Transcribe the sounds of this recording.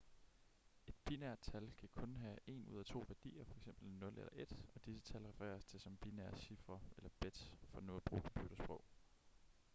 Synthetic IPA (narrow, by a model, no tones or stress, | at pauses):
e̝d̥̚b̥inæɐ̰d̥̚t͡sʰælkʰækʰɔ̽nɦæe̝̰nṵð̞̰ˠæt͡sʰo̝̰ːʋæɐd̥ḭːɐfɒ̽eɡ̥sem̰b̥l̩nːɔ̽lḛlɐʔe̝d̥ɒ̽d̥isə̥t͡sʰælʁɛfɐʁɛ̰ːɐst͡sʰe̝lsɒ̽mb̥inæɐɕifʁɐʔelɐb̥ed̥fɒ̽noːb̥ʁṵːkʰɒmb̥jud̥ɾɐsb̥ʁɔʊ̰